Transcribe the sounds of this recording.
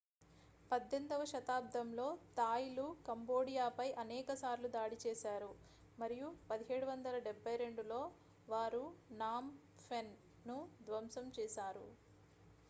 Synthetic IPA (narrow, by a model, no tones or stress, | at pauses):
pɐd̪ːend̪ɐʋɐʃɐt̪aːb̚d̪ʱɐmlo̞ːt̪aːjilukɐmbo̞ːɽijaːpɐjʔɐnɛːkɐsaːɾlud̪aːɽit͡ʃɛːʃaːɾu | mɐɾijupɐd̪iɦeːɽuʋɐnd̪ɐlɐɖebːɐjɾe̞ɳɖulo̞ː | ʋaːɾunaːm | pʰenː | ud̪ʋɐmsɐmt͡ʃɛːʃaːɾṵ